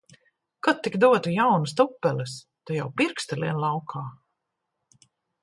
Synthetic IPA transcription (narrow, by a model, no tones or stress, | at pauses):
kɔt̪ːikd̪uɔt̪ujawnɨst̪upːɛlɨs | t̪ɔjawpiɾkst̪ɛliɛnlˠawkʰaː